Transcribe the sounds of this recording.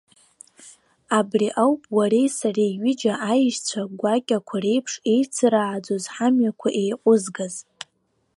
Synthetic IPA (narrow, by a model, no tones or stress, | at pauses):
abriʔawpʼwaɾe̞jsareɥɪd͡ʒaʔajʃt͡ɕʷʰaɡʷakʲʼakʷʰare̞jpʰʂe̞jt͡sʰɨɾaːd͡zozħamjakʷʰaʔe̞jqʷʼʊzɡaz